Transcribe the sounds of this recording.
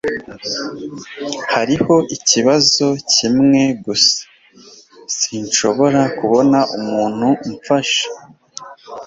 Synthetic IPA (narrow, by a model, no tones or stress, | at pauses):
haɾiho̞ʔiciβazo̞cimŋe̞ɡusḁ | sinʃo̞βo̞ɾakuβo̞naʔumuːn̥huɱfaʃḁ